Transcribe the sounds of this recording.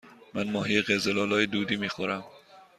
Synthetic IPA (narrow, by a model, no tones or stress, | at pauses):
mænmɒːɦiːjeɣezelɒːlɒːjed̪uːd̪iːmiːxoɾæm